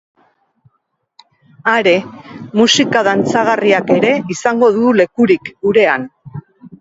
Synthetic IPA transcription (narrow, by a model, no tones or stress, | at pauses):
aɾe̞musikaðant͡saɣ̞ariake̞ɾe̞isaŋɡo̞ðule̞kuɾikuɾe̞an